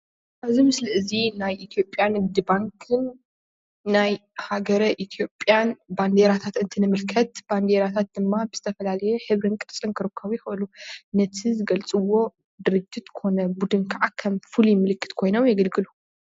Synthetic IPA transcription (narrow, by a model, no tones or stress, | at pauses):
ʔaβzimɨslɨʔɨzinajʔit̪ʰijo̞pʼːjanɨbd̪ɨbaŋkʰɨnː | ajhaɡɐɾɐʔit̪ʰijo̞pʼjanband̪eɾat̪ʰat̪ɨnt̪ʰɨnɨmɨlkʰɐt̪b̥and̪eɾat̪ʰat̪̚d̪ɨmːabɨz̥ɨt̪ʰɐfɐlalɐjɛħɨβɾɨnkʼɨɾt͡sʼɨnkʰɨɾɨkʰːɐβjɪxlunɐt̪ʰizɨɡɐlt͡sʼɨwːo̞ | d̪ɨɾɨd͡ʒit̪kʰɨxo̞nɐbud̪ɨnkʰaʕakʰɐmfɨlujɪmɨlɨkʰːɨ̥t̪kʰo̞jnomjɐɡɐlɡɨlu